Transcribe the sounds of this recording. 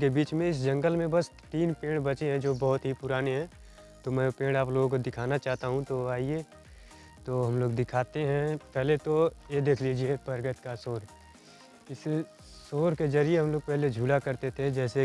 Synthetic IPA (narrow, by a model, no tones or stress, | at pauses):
kebiːt͡ʃmẽɪs̬d͡ʒə̃ŋɡəlmẽbɐst̪iːnpẽːɽbɐt͡ʃeɦɛ̃d͡ʒoːbɐɦt̪ɦipʊɾaːneɦɛ̃ | t̪omɛ̃pẽːɽ̃aploːɡokod̪ɪkʰaːnat͡ʃaːɦt̪aɦũt̪oaːieː | t̪oːɦɐmloːɡd̪ɪkʰaːt̪eɦɛ̃pɛɦlet̪ojed̪eːkʰliːd͡ʒiebɐɾɡət̪kasoːɾ | ɪs | soːɾkezɐɾieɦɐ̃mloːɡ̚pɛɦled͡ʒʱuːlakɐɾt̪et̪ʰed͡ʒɛːse